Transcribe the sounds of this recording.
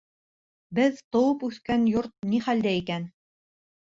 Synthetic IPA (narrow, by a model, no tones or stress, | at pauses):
bɘðt̪ŏwɤpʉθkænjoɾt̪̚niχæld̪æikæn